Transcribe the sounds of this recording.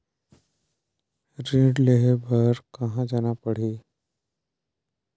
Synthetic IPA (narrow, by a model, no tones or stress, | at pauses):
ɾeːɖleɦbɐɾkɐɦãd͡ʒaːnapɐɽ̤eː